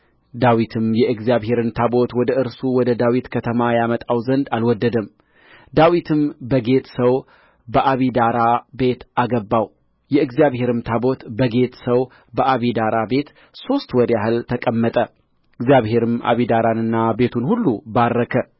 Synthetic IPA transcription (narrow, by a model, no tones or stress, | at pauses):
d̪awit̪ʰɨmjɛɨɡzijaβhe̞ɾɨnt̪ʰabo̞t̪wɔd̪əʔɨɾsuwɔd̪əd̪awit̪kʰət̪ʰəmajamət̪ʼawzənd̪alwɔd̪ːəd̪əm | d̪awit̪ʰɨmbəɡe̞t̪səw | bəʔaβid̪aɾabe̞t̪ʔaɡəbːaw | jɛɨɡzijaβhe̞ɾɨmt̪ʰabo̞t̪bəɡe̞t̪səw | bəʔaβid̪aɾabe̞t̪ | so̞st̪wɔɾjaɦɨlt̪ʰəkʼəmːət̪ʼə | ɨɡzijaβhe̞ɾɨmʔa̰βid̪aɾanɨnːabe̞t̪ʰunhulːubaɾːəkʰə